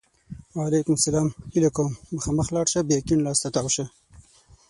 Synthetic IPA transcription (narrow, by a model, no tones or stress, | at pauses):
walekʊmsalɑːmhilakowmːəxɑməxlɑːɽʃabekinlɑːst̪at̪awʃa